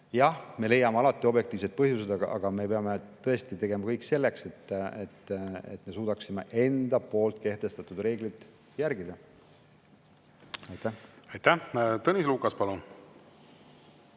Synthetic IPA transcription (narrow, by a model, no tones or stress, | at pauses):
jɑhme̞le̞jɑmeɑlɑt̪ːˑio̞bje̞kt̪iːvse̞t̪̚pɤɦjused̪ɑɡɑ̰ʔɑ̰ɡ̥ɑme̞pe̞ɑme̞t̪ɤ̞e̞st̪it̪e̞ɡ̥e̞mɑkɤjkse̞lːe̞kse̞t̪ːet̪ːe̞̰t̪ːˑme̞suːd̪ɑksime̞̰ʔe̞nd̪̥ɑpo̞ːlt̪̚ke̞ht̪e̞st̪ɑt̪ud̪re̞ːɡlid̪ | jæɾɡid̪̥ɑ | ɑjt̪æhɑjt̪æt̪ɤnʲisluːkɑspɑlun